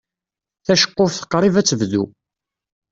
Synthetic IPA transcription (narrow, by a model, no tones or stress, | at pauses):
θæʃə̥qːofθə̥qːɾˤivæt͡sːəvðu